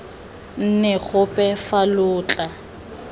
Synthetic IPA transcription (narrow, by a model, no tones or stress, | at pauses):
n̩nɛɣʊpʼɛfalʊːt͡ɬʼa